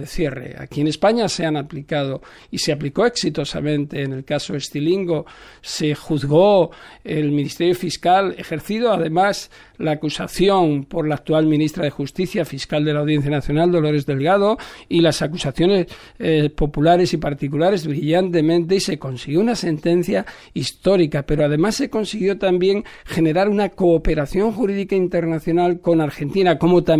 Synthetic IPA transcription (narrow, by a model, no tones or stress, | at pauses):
eθje̞rḛa̰kie̞ne̞spaɲaseanaplikaðo̞ | iseapliko̞e̞ksit̪o̞sa̰mẽ̞nt̪e̞ːne̞lkaso̞est̪iliŋɡo̞ | se̞xuðɣo̞elmĩnist̪e̞ɾjo̞fiskale̞xe̞ɾθiðoaðe̞mas | laːkusaθjo̞npo̞ɾlaːk̚t̪ualmĩnist̪ɾaðe̞xust̪iθjafiskald̪e̞lawðje̞n̟θjanaθjo̞nald̪olo̞ɾe̞zðe̞lɣað̞o̞ilasakusaθjo̞ne̞s | po̞pulaɾe̞sipaɾt̪ikulaɾe̞zβɾiʎant̪e̞mẽ̞nt̪̬e̞ise̞ko̞nsiɣjo̞unase̞nt̪ẽ̞n̟θja | ist̪o̞ɾikape̞ɾo̞aðe̞masːe̞ko̞nsiɣjo̞t̪ambje̞ŋxe̞ne̞ɾaɾunako̞ːpe̞ɾaθjo̞ŋxuɾiðikaint̪e̞ɾnaθjo̞nalko̞naɾxe̞nt̪inako̞mo̞t̪a